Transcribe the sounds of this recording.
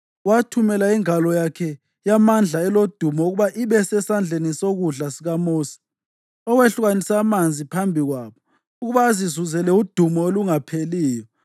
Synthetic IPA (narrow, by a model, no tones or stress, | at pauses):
watʰumɛlaiŋalɔjakʰɛ | jamand͡ɮʱaɛlod̥ʱumɔuɣuβaʔiβɛsɛsand͡ɮʱenisoɣuɮasiɣamoːsi̥ | ɔweɬuɣanisamand͡zʱipʰambʱiɣwaːβɔ | uɣuβaːzizuzɛlɛud̥ʱumɔoluŋapʰeliːjɔ